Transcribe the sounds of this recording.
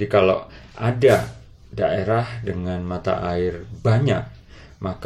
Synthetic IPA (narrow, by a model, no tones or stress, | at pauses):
ikala | ʔada | daʔeɾahdəŋanmat̪a̰ʔaɪrbaɲak̚ | mak